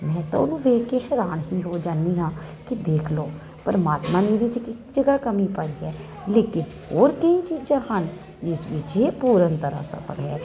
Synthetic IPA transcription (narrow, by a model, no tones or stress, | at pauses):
mɛ̃ːt̪õ̰ʊnũːʋeːkeɦɛːɾaːnɦiːɦoːd͡ʒãːniːɦãːkɪd̪eːkʰloː | pəɾəmaːt̪mãːneːʋɪt͡ʃkɪkd͡ʒəɡaːkəmiːpəɽiːɛː | leːkɪn | hoːɾkəĩːt͡ʃiːd͡ʒãːhən | d͡ʒɪsʋit͡ʃeːpuːɾənt̪əɾa̰ːsə̰pʰə̰ɽɦɛː